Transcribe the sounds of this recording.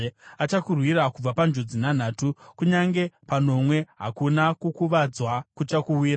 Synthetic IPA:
at͡ʃakurwiɾakub͡vapand͡ʒod͡zinan̤aːtukuɲaŋɡe̞pano̞mwe̞ɦa̰kunakukuʋad͡zwakut͡ʃakuwiːɾa

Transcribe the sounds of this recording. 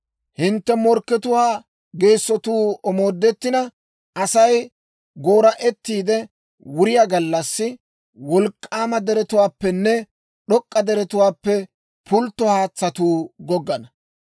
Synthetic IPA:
hɪnt̪ːɛmɔɾkːɛt̪ʊwaː | ɡe̞ːsːɔt̪uːɔmo̞ːd̪ːɛt̪ːɪnɐ | ɐsɐj | ɡo̞ːɾɐʔɛt̪ːiːd̪ɛ | wʊɾɪjaɡɐlːɐsːɪ | wɔlkʼːaːmɐd̪ɛɾɛt̪ʊwaːpːɛnːɛ | ɗɔkʼːɐd̪ɛɾɛt̪ʊwaːpːɛ | pʰʊlt̪ːɔhaːt͡sːɐt̪uːɡɔɡːɐnɐ

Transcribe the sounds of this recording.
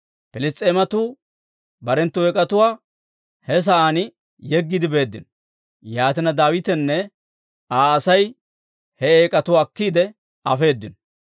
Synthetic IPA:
pɪlɪst̪ʼeːmɐt̪uː | bɐɾɛnt̪ːʊɛkʼɐt̪ʊwaː | hɛs̬ɐʔaːnɪ | jɛɡːɪd̪ɪbe̞ːd̪ːɪ̰nɔ | jaːt̪ɪnɐd̪aːwɪt̪ɛnːɛ | aːɐsɐj | hɛeːkʼɐt̪ʊwaːkːiːd̪ɛ | ɐfe̞ːd̪ːɪnɔ

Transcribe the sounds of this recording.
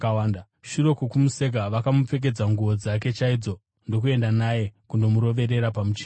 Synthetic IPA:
wanda | ʃuɾo̞kokumuse̞kaʋakamup͡fe̞k̬e̞d͡zaŋɡuʋo̞d͡zak̬e̞t͡ʃaid͡zo̞ | ndo̞k̬ue̞ndanaje̞kundo̞muɾo̞ʋe̞ɾe̞ɾapamut͡ʃe̥

